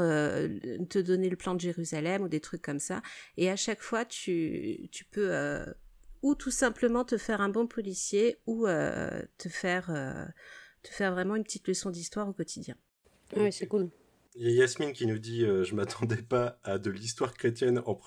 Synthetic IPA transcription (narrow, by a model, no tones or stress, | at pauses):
ø | t̪əd̪ɔneləplɑ̃d̪əʒeʁyzalɛmud̪et̪χykːɔmsaeaʃakfwat̪ʰyt̪y̥pøø̰ | ut̪ʰusɛ̃pləmɑ̃t̪əfɛʁɛ̃bɔ̃pʰɔlisjeuø̰t̪ʰəfɛʁø̰ | t̪ə̥fɛʁvʁɛmɑ̃ynpə̥t̪it̪ləsɔ̃d̪ist̪waʁokɔt̪ʰid̪jɛ̃ | wɛsɛkul | jajasminkʲinud̪iøʒəmat̪ɑ̃d̪ɛpaːd̪əlist̪waʁkχet̪jɛnɑ̃p